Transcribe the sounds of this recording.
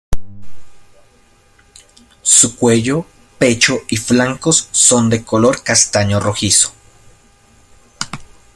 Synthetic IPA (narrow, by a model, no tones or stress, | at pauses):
sukʷwejo | pet͡ʃoʔiflaŋkosːond̪ekoloɾkast̪aɲoroxiso̥